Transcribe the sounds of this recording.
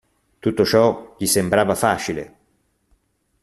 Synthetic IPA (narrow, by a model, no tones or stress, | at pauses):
t̪ut̪ːot͡ʃɔʎisembɾaːvafaːt͡ʃilḛ